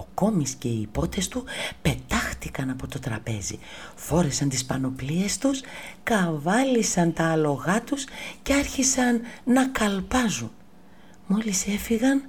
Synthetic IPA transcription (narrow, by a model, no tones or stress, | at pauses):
o̞ko̞misce̞iːpo̞t̪e̞st̪upe̞t̪ɐxt̪ikɐnɐpo̞t̪o̞t̪ɾɐ̰pe̞̰zḭfo̞ɾesɐnt̪ispɐno̞plie̞st̪uskɐvɐlisɐnt̪ɐːlo̞ɣɐt̪usce̞ɐɾçisɐnːɐkɐlpɐzun | mo̞lise̞fiɣɐn